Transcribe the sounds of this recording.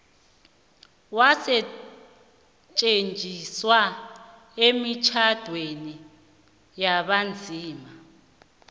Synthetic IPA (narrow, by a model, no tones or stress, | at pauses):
wasɛ | t͡ʃʼend͡ʒʱiswa | emit͡ʃʰad̥ʱweni | jaɓand͡zʱiːma